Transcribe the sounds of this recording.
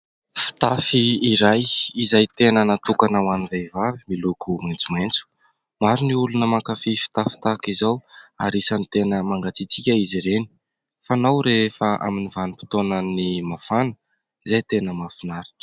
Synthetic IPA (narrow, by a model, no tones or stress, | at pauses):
fi̥t̪afiːɾajizajt̪enənat̪ukanawanivejvavimilukʰument͡sument͡su̥ | maɾiniulunəmakafifi̥t̪afi̥t̪akizawa̰ɾisanit̪enəmaŋɡat͡sit͡sikʲəiziɾeni̥ | fanawɾefəʔa̰minivanipi̥t̪onənimafanə̥ | izajt̪enəmafinaɾi̥ʈ͡ʂə̥